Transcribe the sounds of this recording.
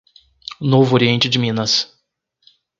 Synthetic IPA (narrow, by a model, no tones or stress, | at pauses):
novʊoɾiẽnt͡ʃɪd͡ʒɪmĩnɐs